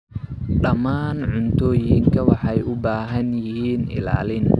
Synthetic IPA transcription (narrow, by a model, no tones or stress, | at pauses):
ɗɐmaːnʕʊnt̪ʰɔːjɪŋkʰɐwɑħɑjʔʊbaːɦɐnjɪɦiːnɪ̰la̰ːlɪn